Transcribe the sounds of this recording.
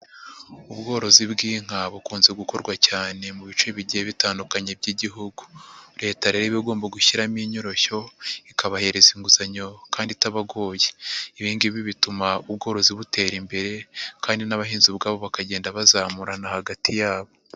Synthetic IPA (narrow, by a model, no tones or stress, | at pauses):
ubɡo̞ːɾo̞zibɡiːŋ̥haβukuːnze̞ɡuko̞ɾɡwacaːne̞muβit͡ʃuiβiɟieβitaːndukaɲe̞b̚ɟiːɟiɦuɡuɾe̞ːtaɾeɾiβiɡo̞ːmbaɡuçiɾamiɲoɾo̞ço̞ikaβahe̞ɾe̞ziŋɡuzaɲo̞kaːnditaβaɡo̞ːjeiβiːŋɡiβiβitumaubɡo̞ːɾo̞ziβute̞ːɾimbe̞ɾe̞kaːndinaβahiːnzibɡaːβo̞βakaɟeːndaβazaːmuɾanahaɡatʰijaːβo̞